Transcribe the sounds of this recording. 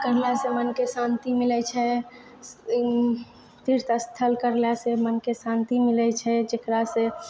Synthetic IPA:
kəɾlasemənkesãnt̪imilɛt͡ʃʰɛ | t̪iɾt̪əst̪ʰəlkəɾlasemənkesãnt̪imilɛt͡ʃʰɛd͡ʒekɾase

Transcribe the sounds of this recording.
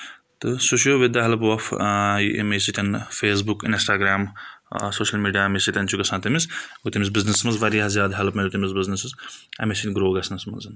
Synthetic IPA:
t̪ɨsoʃjoːʋid̪aːɦɐlɐp̬ʋɐfʔɐ̰mesit̪ʲɐnfeːs̬bukḭnsʈaːɡɾaːm | soːʃɐlmiːɖijaːmesit̪ʲɐnt͡ʃʰukɐsãːt̪imisɡut̪imis̬biznismɐnzʋɐɾiɦazʲjaːd̪ɦɐlpmɐlʲut̪imizbiznɐsɨzɐ̰mesinʲɡɾoːɡɐsnɐsmɐ̰nzɐn

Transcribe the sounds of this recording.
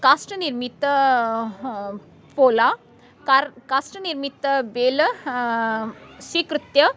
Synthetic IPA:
kasʈəniɾmit̪ːə | pola | kaɾkasʈəniɾmit̪ːəbel | sʋikɾut̪jə

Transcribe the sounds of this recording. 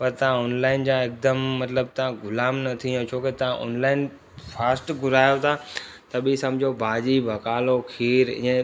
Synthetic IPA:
pɐɾt̪ɐʋ̤ãʊːnlaːɪnd͡ʑãːɪk̚d̪əmːɐt̪ləb̚t̪ɐʋãɡʊlaːmnɐt̪ʰĩõt͡ɕʰoːket̪ɐʋãʔʊ̰nlaːɪn | faːsʈɡʊlaːjot̪ʰa | t̪ɐbisɐmd͡ʑʱobʱaːd͡ʑibʱɐkaːlokʰiːɾɪ̰̃ə̃

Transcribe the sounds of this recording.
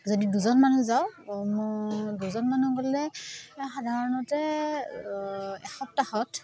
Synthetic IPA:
zodiduzɔnmanuzawmduzɔnmanuɡolɛxadʱaɹɔnɔtɛ | ɛxɔp̚taxɔt

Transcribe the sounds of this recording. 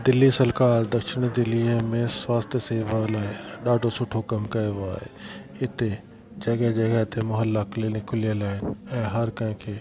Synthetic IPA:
d̪ɪlːisɐlkaːɾd̪ɐkʃɪñd̪ɪlːimẽswaːst̪ʰjəseːʋalaːeɗaːɖʱosʊʈʰokɐmkɐʋa̰ːɦḛ | ɪt̪e | d͡ʒɐɡɛd͡ʒɐɡɛɦt̪emʊɦəlːaklenekʰʊlijəlaːɪnɛ̃ːɦɐɾkɐ̃ɦɪ̃kʰe

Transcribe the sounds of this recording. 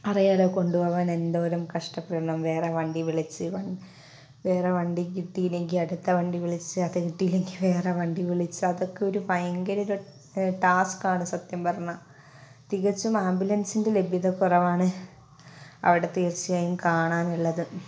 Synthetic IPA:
ɐrijaːloːko̞ɳɖuʋɐʋɐne̞nd̪o̞ːɾumkɐʂʈɐpːreːɳɐmʋe̞ːreʋɐɳɖiʋiɭit͡ɕːɨʋɐ | ʋe̞ːreʋɐɳɖikiʈːijileŋɡiɐɽut̪ːɐʋɐɳɖiʋiɭit͡ɕːɨɐðekiʈːijile̞ŋɡiʋe̞ːreʋɐɳɖiʋiɭit͡ɕːɨɐðo̞kːe̞o̞ɾupɐjɐŋɡɐɾiɾu | ʈaːskaːɳɨsɐt̪jɐmpɐrɐnːɐ | t̪iɣɐt͡ɕːumaːmbjulɐnsindele̞bʱjɐðɐkːurɐʋaːɳɨ | ɐ̰ʋiɽe̞t̪iːrt͡ɕːijɐjumkaːɳaːnuɭːɐðɨ

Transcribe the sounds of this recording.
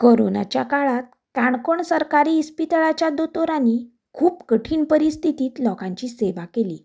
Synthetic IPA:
koɾo̰na̰t͡ɕjakaɭat̪̚ | kaɳkoɳsəɾkaɾiːspit̪ɭat͡ɕjad̪ot̪oɾani | kʰuːpkəʈʰiːnpəɾist̪ʰit̪iːt̪lɔkãɲt͡ɕiseʋakelḭː

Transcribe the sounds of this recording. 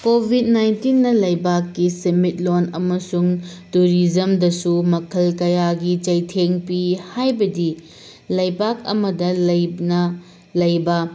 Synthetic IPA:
kobʱit̚najntinːɐlɐjbakːisemit̚lonɐmɐsuŋtuɾid͡ʒɐmdɐsumɐkʰɐlkɐjaɡit͡ʃɐjtʰeŋpihajbɐdi | lɐjbak̚ɐ̰mɐdɐlɐjnɐ | lɐjbɐ

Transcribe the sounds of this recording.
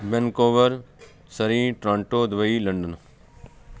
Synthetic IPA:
bɛnkoːʋəɾ | səɾĩːʈɾãːɳʈoːd̪ʋɐiːlɐɳɖən

